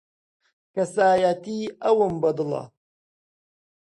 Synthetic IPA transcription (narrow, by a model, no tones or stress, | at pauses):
kɐsaːjat̪iːɐwəmbɐd̪lɑ̰